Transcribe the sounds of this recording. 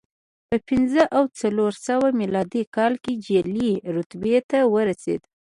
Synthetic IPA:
pəpɪnzəʔawt͡saloɾsawamilɑd̪ikɑlked͡ʒeliɾʊt̪bet̪awəɾasḛd̪

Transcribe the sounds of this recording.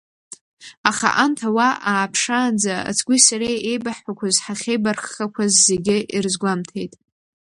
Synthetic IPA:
aχa̰ʔantʰawaʔaːpʰʂaːnd͡zaa̰t͡sʰɡʷisaɾejejbaħʷakʷʰazħaχʲejbarχakʷʰazːe̞ɡʲɪʔirzɡʷamtʰe̞jtʼ

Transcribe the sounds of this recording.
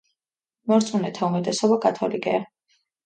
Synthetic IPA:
mɔɾt̪sʼunɛt̪ʰaumɛt̪ʼɛsɔbakʼat̪ʰɔlikʼɛa

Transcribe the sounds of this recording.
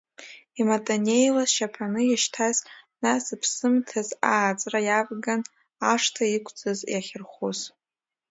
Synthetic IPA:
imatʼanejlaʃapʰanɨjaʃtʰaznasɨpʰsɨmtʰazaːt͡sʼrajavɡan | aʂtʰaikʷʰt͡sʼɨzjaχʲɪrχuz

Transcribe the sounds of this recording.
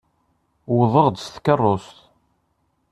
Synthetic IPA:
wəðˤəʁd̪sθkərˤːost̪

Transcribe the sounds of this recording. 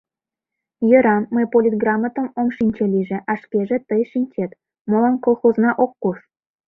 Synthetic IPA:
jɤ̆ɾɑmːəjpolʲit̪̚ɡrɑmːət̪ə̆momʃinʲt͡ɕelʲiʒĕʔɑʃkʲeʒĕt̪əjʃinʲt͡ɕet̪ | molɑnkolxoznɑʔokːuʂ

